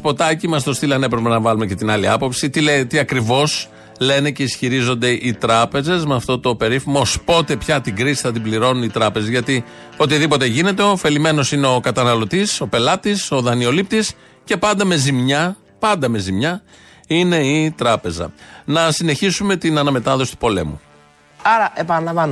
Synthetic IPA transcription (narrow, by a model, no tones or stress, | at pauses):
po̞t̪ɐcimɐs̬t̪o̞st̪ilɐne̞pɾe̞pe̞nɐvɐlumece̞t̪inɐliɐ̰po̞psit̪ilet̪iɐkɾivo̞s | le̞ne̞ce̞isçiɾizo̞nd̪e̞ʔit̪ɾɐpe̞ze̞zmeɐft̪o̞t̪o̞pe̞ɾifimospo̞t̪e̞pçɐt̪iɡɾisi̥θɐt̪̬ibliɾo̞nunit̪ɾɐpe̞zezʝɐt̪i | o̞t̪iðipo̞t̪e̞ʝine̞t̪e̞o̞fe̞lime̞no̞sineo̞kɐt̪ɐnɐlo̞t̪iso̞pe̞lɐt̪iso̞ðɐnio̞lip̚t̪is | ce̞pɐnd̪ɐme̞zimɲɐ | pɐnd̪ɐme̞zimɲɐ | ine̞it̪ɾɐpe̞zɐ̰nɐsine̞çisume̞t̪inɐnɐme̞t̪ɐðo̞si̥t̪upo̞le̞̰mu | ɐɾɐʔepɐnɐlɐvɐn